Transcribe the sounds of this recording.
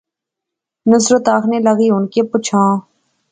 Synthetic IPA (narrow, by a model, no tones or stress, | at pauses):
nəsɾət̪aːkʰneːləɣiːɦʊnkeːpʊt͡ʃʰãː